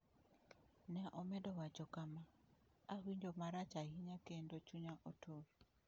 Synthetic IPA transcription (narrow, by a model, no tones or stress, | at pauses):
nɛʔɔmɛdɔwad͡ʒɔkamaawiɲd͡ʒomaɾat͡ʃahiɲakendot͡ʃuɲaʔotʰoɾ